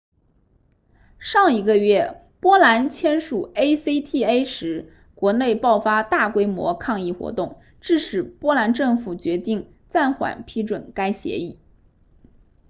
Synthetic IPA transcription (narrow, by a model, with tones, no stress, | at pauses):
ʂɑ˥˩ŋi˧˥ɡə˧ɥɛ˥˩ | pwɔ˥la˧˥nt͡ɕʰjɛ˥nʂu˨˩e˥ɪse˥t̪ʰi˥˧e˥ɪʂɻ̩˧˥ | kwɔ˧˥ne˥˧ɪpɑ˥˩ʊfa˥t̪a˥˩kwe˥ɪmwɔ̰˧˥kʰɑ˥˧ŋi˥˩xwɔ̰˧˥t̪ʊ˥˩ŋ | ʈ͡ʂɻ̩˥˩ʂɻ̩˨˩pwɔ˥la˧˥nʈ͡ʂɤ˥˩ŋfu˨˩t͡ɕɥɛ˧˥t̪i˥˧ŋ | t͡sa˥˩nxwa̰˨˩npʰi˥ʈ͡ʂwə˨˩nka˥ɪɕjɛ̰˧˥i˥˩